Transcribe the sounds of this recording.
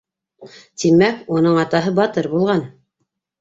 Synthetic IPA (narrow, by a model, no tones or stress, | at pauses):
t̪imækunɤɴɑt̪ɑɦɤbɑt̪ɤɾbulˠʁɑn